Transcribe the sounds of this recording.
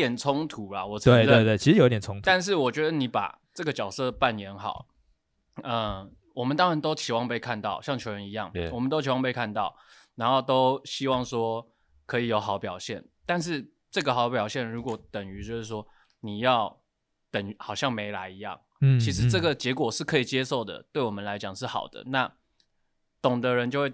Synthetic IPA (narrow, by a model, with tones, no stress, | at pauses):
jɛ˨˩nt͡sʰʊ˦ŋt̪ʰu˧˦la˨wɔ˨˩we˥˨t̪we˥˧t̪we˥˩i˧˥ɻ̩˧jo˨˧˦t̪jt͡sʰʊ˥ŋt̪t̪a˥˧nʂ̬ɻ̩˥˩wɔ˨˩t͡ɕɥɛ˧˦˥d̪ə˧ni˧˥pa̰˨˩ | ʈ͡ʂɤ˥˩ɡə˩t͡ɕjɑ˨˩ʊsɤ˥˧˩pa˥˩njɛ˧˥nxɑ̰˨˩˦ʊ | ə˧ | wɔ˨˩mə˨˦nt̪ɑ˥ŋɻa˧˦nt̪o˥ʊt͡ɕʰi˨˥wɑ˥˧ŋpe˥˧ɪkʰa˥˧nt̪ɑ˥˩ʊɕjɑ˥˩ŋt͡ɕʰjo˧ʊɻə˧ni˧˥jɑ̰˥˩ŋwɔ˨mə˦nt̪o˥ʊt͡ɕʰi˧˥wɑ˥˧ŋpe˥˧ɪkʰa˥˧nt̪ɑ˥˩ʊ | na˧˥nxo˥˩ʊt̪o˥ʊɕi˥wɑ˥˩ŋʂwɔ˥ | kʰɤ˧˥i˨˩jo˧˥ʊxɑ˨˥ʊpjɑ˨˩ʊɕjɛ˥˩n | t̪a˥˧nʂ̬ɻ̩˥˧ | ʈ͡ʂɤ˥˩ɡə˨xɑ˨˥ʊp̬jɑ˨˩ʊɕjɛ˥˩nɻu˧˥kwɔ˨˧˥t̪ə˨˩ŋy˧˥t͡ɕjo˥˧ʊʂɻ̩˥˩ʂwɔ˥ | ni˨˩jɑ˥˩ʊ | t̪ə˨˩ŋy˧˥xɑ˨˩ʊɕjɑ˥˩ŋme˧˥ɪla˧˥ɪi˧˥jɑ̰˥˩ŋ | t͡ɕʰi˧˥ʂ̬ɻ̩˧˥ʈ͡ʂɤ˥˩ɡə˩t͡ɕjɛ˧˥kwɔ˨˩ʂɻ̩˥˩kʰɤ˧˥i˨˩t͡ɕjɛ˦so˥˩ʊd̪ə̰˩t̪we˥˩ɪwɔ˨˩mə˦nla˧˥ɪt͡ɕjɑ˨˩ŋʂɻ̩˥˩xɑ̰˨˩ʊd̪ə̰˦na˥˨ | t̪ʊ˨˩ŋd̪ə˦ɻə˧˦nt͡ɕjo˥˧ʊwe˥˩